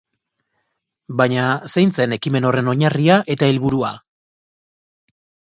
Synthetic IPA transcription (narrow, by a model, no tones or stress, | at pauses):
bajɲasejnt͡se̞ne̞kime̞no̞re̞no̞ɲariaʔe̞t̪aelβuɾua